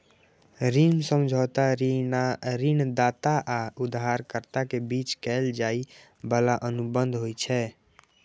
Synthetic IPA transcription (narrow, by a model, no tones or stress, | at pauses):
ɾinsəmd͡ʒʱɔt̪aɾ | ɾind̪at̪aʔaud̪ɦaɾkəɾt̪akebit͡ʃkɛld͡ʒai | bəlaʔənubənd̪ʱɦojt͡ʃʰɛ